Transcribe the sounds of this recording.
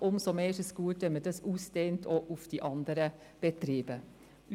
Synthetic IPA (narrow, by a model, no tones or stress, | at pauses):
ʔʊmsomeːʃəsɡ̥uːət̪ʋɛmədɑsuːsd̥̪eːnt̪ʰoʔʊfd̪̥iʔɑnd̪əɾə | b̥ɛt̪ɾiːb̥ə